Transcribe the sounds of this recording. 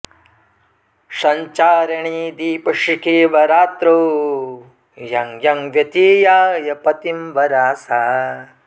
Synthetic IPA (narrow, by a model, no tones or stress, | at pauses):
ʃɐɲt͡ʃaːɾɐɳiːd̪iːpɐʂikeːʋɐɾaːt̪ɾo | jɐŋjɐŋʋjɐt̪iːjaːjɐpɐt̪imʋɐɾaːsaː